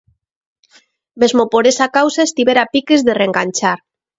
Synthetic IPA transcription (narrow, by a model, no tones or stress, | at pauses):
mezmopoɾesakawsaest̪iβeɾapikezðereŋɡanʲt͡ʃaɾ